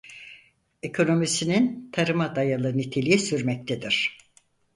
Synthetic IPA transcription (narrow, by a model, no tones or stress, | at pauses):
ekʰo̞no̞misinint̪ʰaɾɯmad̪ajalˠɯnit̪ʰelʲijisyɾmɛc̚t̪ʰed̪iɾ̥